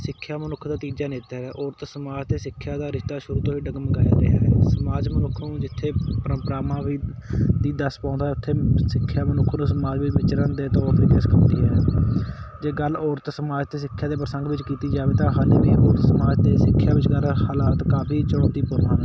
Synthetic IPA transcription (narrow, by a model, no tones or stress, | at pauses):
sɪkʰːjaːmənʊkʰd̪aːt̪iːd͡ʒaːneːt̪aːɾɛːʔɔːɾət̪səmaːd͡ʒt̪eːsɪkʰːjaːd̪aːɾɪʃt̪aːʃʊɾuːt̪õːʋiːɖəɡməɡaːja̰ːɾɪ̰ɦa̰ːɦɛːsəmaːd͡ʒmənʊkʰːnũːd͡ʒɪt̪ʰːeːpɾəpɾaːmãːʋiːd̪iːd̪əspãːnd̪aːʊt̪ʰːeːsɪkʰːjaːmənʊkʰːnũːsəmaːd͡ʒʋɪt͡ʃʋɪt͡ʃɾə̃ːd̪eːt̪ɔːɾt̪ʋiːkeːskʰãnd̪iːɦɛː | d͡ʒeːɡəlɔːɾt̪səmaːd͡ʒt̪eːs̬ɪkʰːjaːd̪eːp̬ɾəsə̃ŋɡʋɪt͡ʃkiːt̪iːd͡ʒaːʋeːt̪ãːɦaːliːʋiːʔɔːɾət̪səmaːd͡ʒt̪eːsɪkʰːjaːʋɪt͡ʃɡəlhaːlaːt̪kaːpʰiːt͡ʃəɽɔ̃ːt̪iːpʊɾnãː